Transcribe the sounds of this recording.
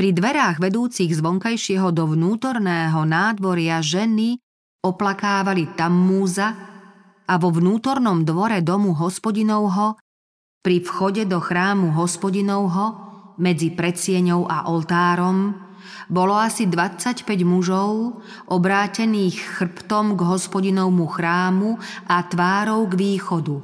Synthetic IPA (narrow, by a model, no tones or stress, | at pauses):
pɾid̪ʋɛɾaːɣʋɛd̪uːt͡siɣzʋɔŋkajʃɪɛɦɔd̪ɔʋnuːt̪ɔɾnɛːɦɔnaːd̪ʋɔɾɪaʒɛni | ɔplakaːʋalit̪amːuːza | aʋɔʋnuːt̪ɔɾnɔmd̪ʋɔɾɛd̪ɔmuɦɔspɔɟinɔʊɦɔ | pɾifxɔɟɛd̪ɔxɾaːmuɦɔspɔɟinɔʊɦɔmɛd͡zipɾɛsɪɛɲɔʊʔa̰ʔɔlt̪aːɾɔm | bɔlɔasid̪ʋat͡sacpɛɟmuʒɔʊ | ʔɔbɾaːcɛniːxːr̩pt̪ɔmɡɦɔspɔɟinɔwmuxɾaːmuʔat̪ʋaːɾɔʊɡʋiːxɔd̪u